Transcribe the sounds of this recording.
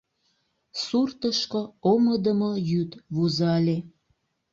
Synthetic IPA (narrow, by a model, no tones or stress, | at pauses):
surt̪əʃkooməd̪əmojyt̪βuzɑlʲe